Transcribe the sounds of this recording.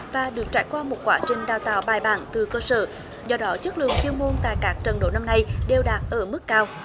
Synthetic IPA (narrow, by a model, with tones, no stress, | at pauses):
vaː˨˩ɗɨ˨˩ək̚t͡ɕa̰ː˧˩jkwaː˧mo˨˩t̚kwaː˧˦t͡ɕï˨˩ŋ̟ɗaː˨˩wt̪a̰ː˧˨wɓaː˨˩jɓa̰ː˧˩nt̪ɨ˨˩kəː˧sə̰ː˧˩ | zɔ˧ɗɔ˨˦t͡ɕə˦˥k̚lɨ̰˧˨əŋfwi˧əŋmo˧nt̪a̰ː˧˨jkaː˦˥k̚t͡ɕə˨˩nɗo̰˧˩˦na˧mna˧jɗe˨˩wɗaː˨˩t̚ʔəː˧˩mɨ˦˥kːaː˧w